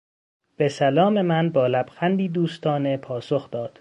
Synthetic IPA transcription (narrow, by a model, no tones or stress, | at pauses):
b̥e̞sælɒːme̞mænbɒːlæbxænd̪iːd̪uːst̪ʰɒːnepʰɒːso̞xd̪ɒːd̪̥